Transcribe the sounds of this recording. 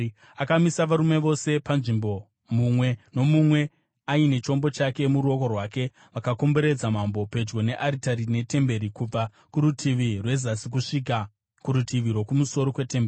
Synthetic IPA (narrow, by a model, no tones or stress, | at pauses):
akamisaʋaɾume̞ʋo̞se̞panʐimbo̞ | mumwe̞no̞mumwe̞ | aine̞t͡ʃo̞mbo̞t͡ʃake̞muɾuo̞ko̞rwaːke̞ | ʋakako̞mbe̞ɾe̞d͡zamambo̞pe̞d͡ʒɡo̞ne̞ʔaɾitaɾine̞te̞mbe̞ɾikub͡va | kuɾutʰiʋirwe̞zasik̬uʂik̬a | kuɾutiʋiɾwo̞kumuso̞ɾo̞kwe̞temberi